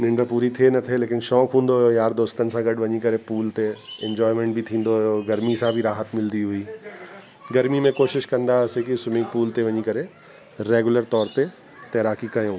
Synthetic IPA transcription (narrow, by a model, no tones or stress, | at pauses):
nɪ̃ɳɖəɾpuːɾit̪ʰienɐt̪ʰeleːkɪnʃɔːkɦũːn̆d̪oɦʊjojaːɾd̪oːst̪ənɪ̆sãɡɐɖʋɐɲikɐɾepuːlt̪eɛ̃ɲd͡ʑɔːɪmẽːɳʈ̚bʱɪt̪ʰĩːn̆d̪oɦjoɡɐɾmisãbʱɪɾaːɦət̪mɪld̪iɦuiː | ɡɐɾmimẽkoːʃɪʃkɐ̃nd̪asekisʊmɪ̃ŋɡpuːlt̪eʋɐɲikɐɾe | ɾeːɡʊləɾt̪ɔːɾt̪e | t̪eːɾaːkikɐjõː